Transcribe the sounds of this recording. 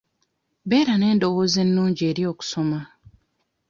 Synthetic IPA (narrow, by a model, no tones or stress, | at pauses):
beːɾaneːndoɣozenːuːɲɟeːɾjoːku̥soma